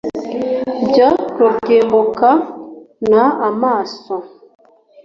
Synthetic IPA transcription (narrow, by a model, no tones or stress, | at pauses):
d͡ʒatokemboka | naamasɔ